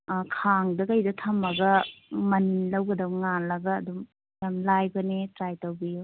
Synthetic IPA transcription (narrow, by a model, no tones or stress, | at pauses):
kʰaŋdɐkajdɐtʰɐmɐɡɐmɐnilɐwɡɐdɐwŋalɐɡɐːdum | jamlajbɐnetɾajtawbijo